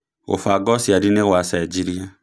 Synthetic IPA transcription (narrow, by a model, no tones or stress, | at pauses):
o̰faɡɔsiadineɣwasaid͡ʒiɾia